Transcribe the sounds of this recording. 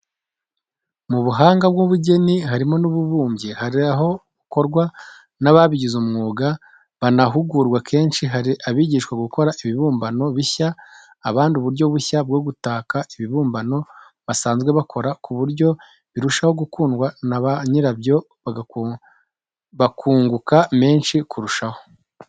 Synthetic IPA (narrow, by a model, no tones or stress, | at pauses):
muβuɦaːŋɡab̚ɡuβuɟe̞niɦaɾimo̞nuβuβuːmje̞haɾiaɦo̞ɡuko̞ɾɡwa | naβaβiɟizumŋuːɡa | βanaɦuɡuːɾɡwakʰe̞ːnʃiɦaɾiʔaβiɟiːʃkwaɡuko̞ɾaʔiβiβuːmbano̞βiçaː | βaːndiuβuɾɟo̞βuçab̚ɡo̞ːɡutaːkaiβiβuːmbano̞ | βasaːnzɡwe̞βakʰo̞ɾakʰuβuɾɟo̞ | βiɾuʃaho̞ɡukuːnɡwanaβaɲiɾabjo̞ | βaɡa | βakʰuːŋɡukame̞ːnʃikʰuɾuʃaho̞̥